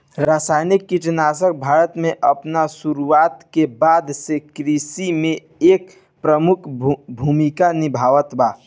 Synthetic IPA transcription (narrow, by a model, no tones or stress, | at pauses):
ɾaːsaːjnikːit͡ʃnaːs̬ək̚bʱaːɾət̪mẽʔəpnasuɾuaːt̪kebaːd̪sekɾisimẽ | eːk | pɾəmʊkʰbʱuːmikanɪbʱaːʋət̪baː